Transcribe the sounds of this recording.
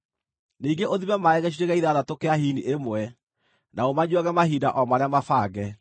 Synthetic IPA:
niːŋɡeʔoðimɛmaɛɣɛɕ̬iɾeɣɛiðaðatokeahiniʔemwɛ | naomaɲwaɣɛmahiːdaʔɔmaɾeamafaːɣɛ

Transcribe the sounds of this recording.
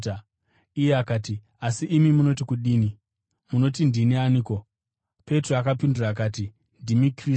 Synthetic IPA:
a | ijeakaːti | asiʔːmimuno̞tikuɗiːni | muno̞tindinianiːko̞ | pe̞troakapinduraːk̬aːti | ndimikri

